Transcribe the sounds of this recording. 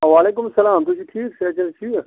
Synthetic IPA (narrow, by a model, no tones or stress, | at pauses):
ʋaːleːk̬ʊmsɐlaːmt̪ʊd͡ʒiʈʰiːkseːt͡ʃɐlt͡ʃʰiː